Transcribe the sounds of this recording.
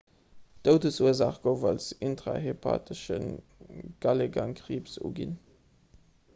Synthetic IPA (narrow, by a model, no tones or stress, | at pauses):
d̥oʊdəsuəzaːχɡ̥oʊvɑlsintʁa̰ɦepʰa̰ːtʰəʃən | ɡ̥ɑleɡɑŋkʁiːpsṵːɡḭn